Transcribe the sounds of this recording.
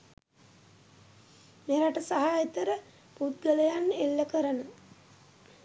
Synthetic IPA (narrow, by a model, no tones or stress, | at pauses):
meɾaʈəsaɦaːet̪əɾə | pud̪̚ɡələjanelːəkəɾənə